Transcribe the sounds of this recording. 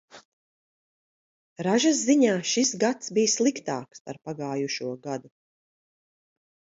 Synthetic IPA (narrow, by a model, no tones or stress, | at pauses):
ɾaʒasːiɲaːʃisɡat̪sbijslˠikt̪aːkspa̰ɾpaɡaːjuʃuɔɡad̪u